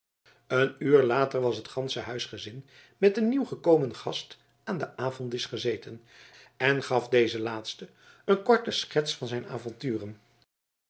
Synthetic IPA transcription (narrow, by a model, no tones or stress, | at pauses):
ənyːɹlaːtəɹʋɑsɦətχɑnsəɦœɥsχəzɪn | mɛtənːiwχəkowmənχɑst | aːndəʔaːvɔntɪsχəzejtən | ɛnχɑfdejzəlaːtstə | ənkɔɹtəsχɛtsfɑnzɛjna̰ːvɔntyːrən